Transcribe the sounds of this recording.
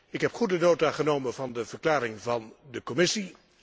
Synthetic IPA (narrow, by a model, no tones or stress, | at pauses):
ɪkɦɛpχudənoːtaːχənowmənvɑndəvəɹklaːɾɪŋvɑndəkɔmɪsi